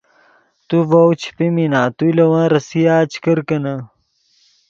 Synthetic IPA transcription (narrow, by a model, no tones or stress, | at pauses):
t̪uvɐwt͡ɕʰi̥piminaːt̪ulɐwãːɾɐsijaːt͡ɕʰkɐɾkɐnɐ